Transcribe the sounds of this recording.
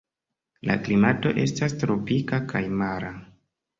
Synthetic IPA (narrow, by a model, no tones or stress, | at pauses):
la̰klimato̞̰ʔe̞̰stas̬tɾo̞pikakʰajmaɾa